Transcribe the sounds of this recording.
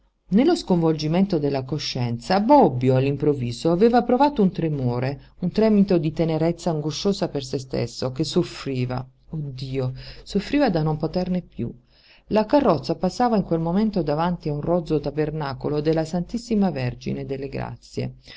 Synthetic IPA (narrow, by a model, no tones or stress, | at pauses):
nelːoskoɱvold͡ʒiment̪od̪elːakoʃːɛnt̪sabɔbːjoalːimpɾoviːzoaveːvapɾovaːt̪ount̪ɾemoːɾe | unt̪ɾɛːmit̪od̪it̪eneɾɛt̪sːaːŋɡoʃoːzapers̬est̪ḛsːok̟esːofɾiːva̰ | od̪ːiːosofːɾiːvad̪anompot̪ɛrnepjṵ | lakarːɔt̪sːapasːaːvaiŋkwelmoment̪od̪avant̪iaunrɔd̪zot̪abernaːkolod̪elːasant̪isːimaverd͡ʒḭned̪elːeɡɾa̰t̪sːjḛ